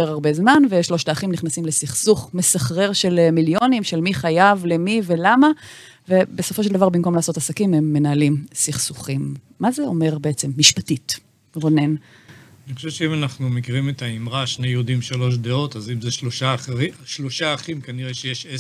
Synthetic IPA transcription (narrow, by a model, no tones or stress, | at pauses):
eʁaʁbe̞zmanveʃlo̞ʃtaːχimniχnasimlesiχsuχme̞saχʁe̞ʁʃe̞lmiljo̞nimʃelmiχajavle̞mive̞lama | ve̞beso̞fo̞ʃ̬eld̪avaʁbimko̞mlaːso̞tasakime̞mːe̞naːlimsiχsuχimː | azeo̞me̞ʁbeet͡se̞mːiʃpatit | ʁone̞n | niχoʃɛvʃeimanaχnumekiʁimet̪aimʁaʃnejud̪imʃalo̞ʃ̬d̪eo̞tazimzeʃloʃaiʃloʃaːχimkaniʁeʃejeʃe